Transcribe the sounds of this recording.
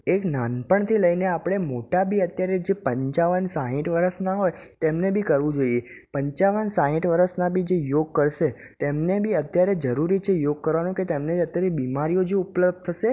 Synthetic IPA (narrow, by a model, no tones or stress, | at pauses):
eknanpəɳt̪ʰiləineapɽ̃emoʈabʱiət̪jaɾed͡ʒepəɲt͡ʃaʋənsaɦɪ̃ʈʋəɾəsnaɦojt̪emnebʱikəɾʋũd͡ʒoiepəɲt͡ʃaʋənsãɦɪ̃ʈʋəɾəsnabʱid͡ʒejoɡ̚kəɾʃe | t̪emnebʱiət̪jaɾed͡ʒəɾuɾit͡ʃʰejoɡ̚kəɾʋanũket̪emned͡ʒət̪jaɾebimaɾijod͡ʒeupləb̪̚t̪ʰəʃe